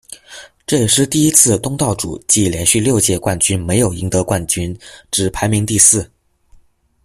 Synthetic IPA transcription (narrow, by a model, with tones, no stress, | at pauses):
ʈ͡ʂɤ˥˩jɛ˨˩ʂɻ̩˥˧t̪i˥˩i˥t͡sʰɹ̩˥˧t̪ʊ˥ŋt̪ɑ˥˩ʊʈ͡ʂṵ˨˩t͡ɕi˥˩ljɛ˧˥nɕy˥˧ljo˥˧ʊt͡ɕjɛ˥˧kwa˥˩nt͡ɕy˥nme˧˥ɪjo˨˩ʊi˧˥ŋt̪ɤ˧˥kwa˥˩nt͡ɕy˥nʈ͡ʂɻ̩˨˩pʰa˧˥ɪmi˧˥ŋt̪i˥˧sɹ̩˥˩